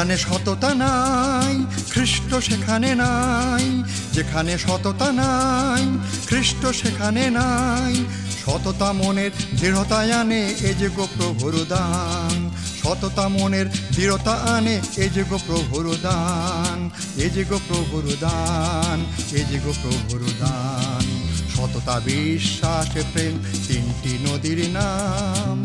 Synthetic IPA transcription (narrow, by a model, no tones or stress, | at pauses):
aneʃɔt̪ot̪anajkʰɾiʃʈoʃekʰanenaj | d͡ʑekʰaneʃɔt̪ot̪anajkʰɾiʃʈoʃekʰanenaj | ʃɔt̪ot̪amoneɾd̪iɾot̪ajaneed͡ʑeɡopɾobʱuɾod̪anʃɔt̪ot̪amoneɾd̪iɾot̪aʔaneed͡ʑoɡopɾobʱuɾud̪an | ed͡ʑiɡopɾobʱuɾod̪aned͡ʑiɡopɾobʱuɾud̪anʃɔt̪ot̪abiʃːaʃepɾen | t̪inʈinod̪iɾna | m